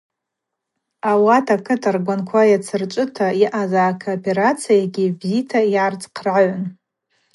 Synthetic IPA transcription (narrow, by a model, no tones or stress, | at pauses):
awatʰakʰɨtʰarɡʷankʷʰajat͡sʰɨrt͡ʃʷʼɨtʰaiʔazaːkʰoːpʰe̞ɾat͡sʰijaɡʲibzitʰaiart͡sʼqʰrʕaʕʷn